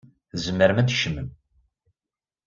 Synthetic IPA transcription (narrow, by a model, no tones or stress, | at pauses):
θzəmːəɾmæd̪ʃəməm